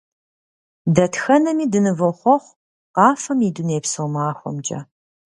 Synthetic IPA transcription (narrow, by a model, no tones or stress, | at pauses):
dɐtxɐnɐmiːdɨnɨvɨχʷɔχʷ | qɑːfɐmiduneːpsɨwmaːxʷɔ̰md͡ʒɐ̰